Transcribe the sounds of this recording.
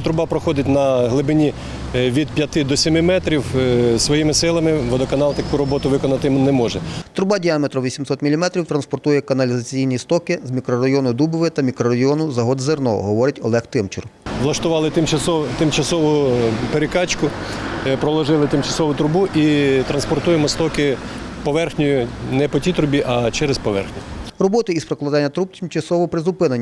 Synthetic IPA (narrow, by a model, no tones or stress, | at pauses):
t̪ɾʊbɑpɾɔxɔd̪ɪtʲnɐɦlˠɪbɪnʲi | ʋʲid̪̚pʲjɐt̪ɪd̪ɔsʲɪmɪmɛt̪ɾʲiwsʋɔjimɪsɪlˠɐmɪʋɔd̪ɔkɐnɑlˠt̪ɐkuɾɔbɔt̪ʊʋɪkɔnɐt̪ɪmnɛmɔʒɛt̪ɾʊbɑdʲiamet̪ɾʊʋʲisʲimsɔt̪mʲilʲimɛt̪ɾʲiwt̪ɾɐnspɔrt̪ujɛkɐnɐlʲizɐt͡sʲijnʲist̪ɔkɪzmʲikɾɔɾɐjɔnʊd̪ubʊʋɪt̪ɐmʲikɾɔɾɐjɔnʊzɐɦɔd̪zernɔ̰ɦɔʋɔɾɪtʲɔ̰lˠɛxt̪ɪmt͡ʃɪ̰rʋlˠɐʃt̪ʊʋɑlˠɪt̪ɪmɔt̪ɪmt͡ʃɐsɔʋʊpeɾɪkɑt͡ʃkʊpɾɔlˠɔʒɪlˠɪt̪ɪmt͡ʃɐsɔʋʊt̪ɾʊbuʔit̪ɾɐnspɔrt̪ujɛmɔst̪ɔkɪ | pɔʋɛrxnʲʊjʊnɛpɔtʲit̪ɾʊbʲiʔɐt͡ʃɛɾespɔʋɛ̰rxnʲʊrɔbɔt̪ɪispɾeklˠɐd̪ɑnʲːɐt̪ɾup̚t̪ʲɪmt͡ʃɐsɔʋɔpɾɪzʊpɪnɐnʲː